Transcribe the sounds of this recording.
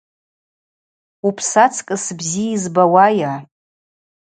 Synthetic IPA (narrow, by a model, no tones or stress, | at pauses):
upʰsat͡sʰkʼɨsbziizbawaja